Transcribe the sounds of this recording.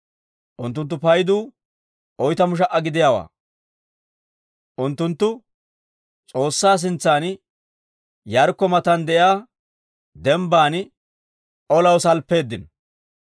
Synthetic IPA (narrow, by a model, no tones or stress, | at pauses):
ʔʊnt̪ːʊnt̪ːʊpɐjd̪uː | ʔɔjt̪ɐmʊʃ̬ɐʔːɐɡɪd̪ɪjaːwa̰ː | ʔʊnt̪ːʊnt̪ːʊ | t͡sʼo̞ːsːaːs̬ɪnt͡sːaːn | jɐɾkːɔmɐt̪ɐnd̪ɛʔjaː | d̪ɛmbaːn | ʔɔlɐwsɐlpːe̞ːd̪ːɪn